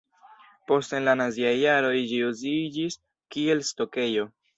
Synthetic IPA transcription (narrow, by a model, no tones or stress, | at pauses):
po̞stenlanaziajːaɾo̞jd͡ʒiuzid͡ʒis | kie̞lsto̞ke̞jo̞